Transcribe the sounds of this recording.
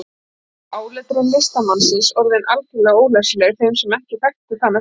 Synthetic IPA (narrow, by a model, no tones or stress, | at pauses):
aːwlɛt̪ɾʏmlest̪amansɪnsɔɾðejnʔalcɪlːɛːɣoːwlɛslɛɣθejmsɛmɛhcɪθakt̪ʏθanːa